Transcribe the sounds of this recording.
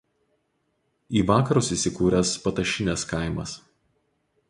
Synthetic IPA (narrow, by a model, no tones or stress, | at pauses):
iːʋɑːkɐɾʊsiˑsʲɪkuːɾʲɛspɐt̪ɐʃʲɪnʲɛskɑɪmɐ̰s